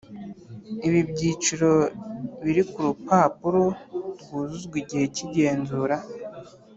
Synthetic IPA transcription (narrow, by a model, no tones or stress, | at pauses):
iβibɟiːt͡ʃuɾo̞βiɾikuɾupaːpuɾoɾɡuːzuzɡwiɟihe̞ciɟe̞ːnzuːɾa